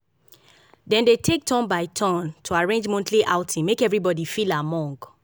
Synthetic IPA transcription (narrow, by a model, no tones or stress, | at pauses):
dɛ̃ndetʰek̚tʰɔ̃nbaɪtʰɔ̃ntʰuaɹẽnd͡ʒmõntʰliʔaʊtʰĩmekɛvɹibɔdifilamɔ̃ŋɡ